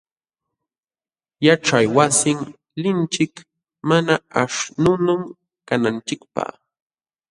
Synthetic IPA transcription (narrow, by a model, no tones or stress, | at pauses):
jaʈ͡ʂajwasɪŋ | lɪnt͡ʃɪk | manaaʂnʊnʊm | kanant͡ʃɪkpa̰